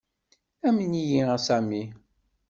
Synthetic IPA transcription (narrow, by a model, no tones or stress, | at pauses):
æmənijiəsæmi